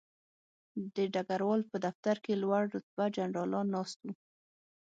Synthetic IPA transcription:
d̪əɖaɡaɾwɑlpəd̪aft̪aɾkelwaɽdʊt̪̚bad͡ʒanɾɑlɑnːɑst̪u

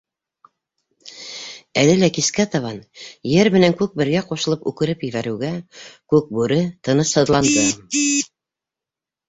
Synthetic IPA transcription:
ælɘlækiskæt̪ɑβɑnjɘɾmɘ̆næŋkʉk̚bɘ̆ɾɡæquʃɤ̆lˠɤpʉkɘ̆ɾɘpjɘ̆βæɾɘ̆ɡækʉk̚bʉɾɘt̪ɤ̆nɤshɤ̆ðlˠɑnd̪ɤ

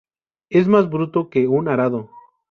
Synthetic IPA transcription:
ezmazbɾut̪okeunaɾaðo

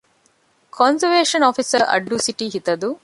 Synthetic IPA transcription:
kʰɔnzɐɾʋeːʂɐnɔːfisɐɾɐ̰ɖːusiʈiɦit̪ɐd̪u

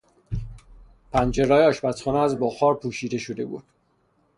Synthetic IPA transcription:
pʰænd͡ʒe̞ɾɒːjeɒːʃbæt̪xɒːnɛæzbɒːxɒːɾpʰuːʃiːd̪e̞ʃo̞d̪e̞bṵːd̪̥̚

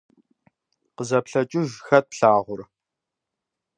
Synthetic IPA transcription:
qəzɐpɬɐt͡ʃʼɪʒxɐt̚pɬaːʁʷʊr

